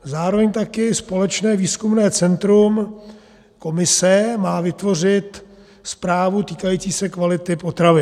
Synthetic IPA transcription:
zaːɾo̞vɛɲt̪akɪspo̞lɛt͡ʃnɛːviːskumnɛːt͡sɛnt̪ɾum | ko̞mɪsɛmaːvɪt̪vo̞r̝ɪt̪ | spɾaːvut̪iːkajiːt͡siːsɛkvalɪt̪ɪpo̞t̪ɾavɪ

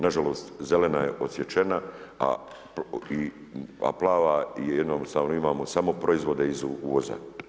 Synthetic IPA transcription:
naʒalo̞ːst̪ze̞le̞naje̞ʔo̞sjet͡ʃenaa̰ | ia̰plˠaːʋaijed̪nost̪aːʋno̞imaːmo̞samo̞pɾoizʋo̞d̪e̞izuuoza̰

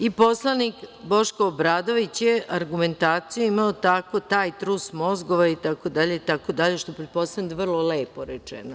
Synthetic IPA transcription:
ipo̞slˠanikbo̞ʃkoobɾaːd̪o̞ʋit͡ɕjeʔaɾɡume̞nt̪aːt̪sijuimaot̪ako̞t̪aːjt̪ɾusmo̞zɡo̞ʋait̪ako̞d̪aʎeit̪akod̪aʎeʃt̪oepɾet̪̚po̞st̪avnʲd̪ʋr̩lˠo̞leːpo̞ɾet͡ʃḛno

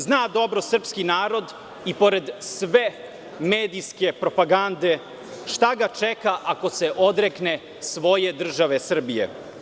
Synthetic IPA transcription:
znaːd̪o̞bɾo̞sr̩pskinaːɾo̞d̪ | ipo̞ɾe̞d̪sʋe | meːd̪iske̞pɾo̞paɡand̪e̞ | ʃt̪aɡat͡ʃekaʔako̞seʔo̞d̪ɾekne | sʋo̞je̞d̪r̩ʒaʋesr̩bijḛ

